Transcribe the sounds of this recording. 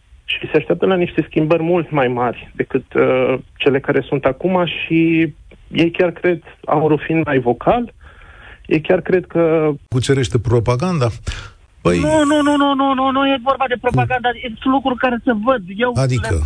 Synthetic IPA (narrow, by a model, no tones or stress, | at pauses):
ʃiseaʃt̪eap̚t̪əlaniʃt̪e̞skʲimbərʲmult̪majmarʲd̪e̞kɨt̪t͡ʃe̞le̞kaɾʔe̞sunt̪akumaʃi | je̞jkʲarkɾe̞d̪a̰wunɾufinmajvo̞kʰal | jejkʲarkɾe̞d̪kəkut͡ʃe̞ɾe̞ʃt̪e̞pɾo̞paɡand̪a | pəjnununununununujevo̞rbad̪e̞pɾo̞paɡand̪aelukɾurkaɾe̞səvəd̪je̞wad̪ikə̰